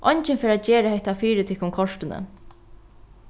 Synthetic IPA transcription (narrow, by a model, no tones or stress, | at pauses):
ʔɔɲt͡ʃɪnfɪːɾat̪d͡ʒɛːɾahɛht̪afiːɾɪt̪ʰɪkʊmkʰɔʂtɪnə̰